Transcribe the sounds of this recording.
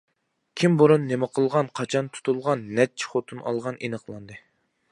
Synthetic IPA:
kʲʰimboɾunːemɪqʰəlˠʁɑnqʰɑt͡ʃʰɑnt̪ʰu̥t̪ulˠʁɑnːɛt͡ʃʰi̥χot̪ʰunɑ̰lˠʁɑnʔenəqlˠɑnd̪ɨ

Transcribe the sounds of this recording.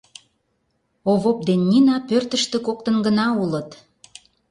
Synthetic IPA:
oβop̚d̪enʲːinɑpørt̪ə̆ʃt̪ĕkok̚t̪ənɡənɑulə̆t̪

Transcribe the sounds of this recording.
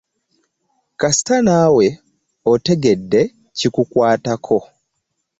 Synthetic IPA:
kasi̥tanaːwe̞ | ote̞ɡe̞dːe̞ | cikukwaːtakʰo̞

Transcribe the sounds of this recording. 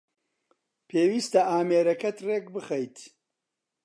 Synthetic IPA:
pʰeːwiːst̪ɐʔaːmeːɾɐkɐt̪rekbɨxɐjt̪

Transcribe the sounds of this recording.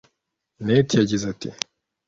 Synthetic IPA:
netijaɟizatḭ

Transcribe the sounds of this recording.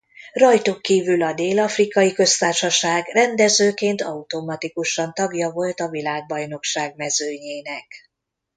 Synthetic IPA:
rɒjt̪ukːiːvylɒd̪eːlɒfrikɒjikø̞st̪aːrʃɒʃaːɡrɛnd̪ɛzøːkeːnt̪ʰɒut̪o̞mɒt̪ikuʃɒnt̪ɒɡjɒvo̞lt̪ɒvilaːɡ̚bɒjno̞kʃaːɡmɛzøːɲeːnɛk

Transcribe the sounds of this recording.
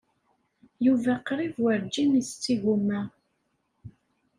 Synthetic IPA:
juvæqɾˤivwəɾd͡ʒːinist͡sːiɣumæ

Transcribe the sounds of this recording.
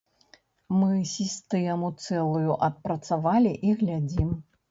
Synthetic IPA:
mɨsʲist̪ɛjɐmut̪sɛlˠujuʔɐt̪̚pɾɐt̪savalʲiʔiɣlʲad͡zʲim

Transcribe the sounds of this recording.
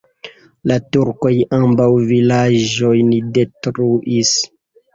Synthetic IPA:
latuɾko̞jambawvilaʒd͡ʒo̞jnide̞tɾuʔis

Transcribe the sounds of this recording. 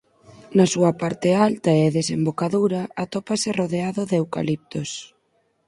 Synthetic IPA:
nɐsuɐpaɾt̪ɪalt̪ɐɛðesembokaðuɾɐat̪ɔpasɪroðeaðʊðewka̰lip̚t̪os

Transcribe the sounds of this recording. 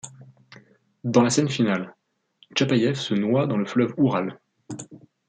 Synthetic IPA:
d̪ɑ̃lasɛnfinal | t͡ʃapajɛfsənwad̪ɑ̃ləflœvuʁal

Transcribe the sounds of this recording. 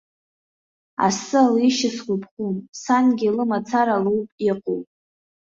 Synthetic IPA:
a̰sɨaliʃɪsχʷʊpʰχʷumsanɡʲilɨmat͡sʰaɾaluwpʼiqʼo̰wpʼ

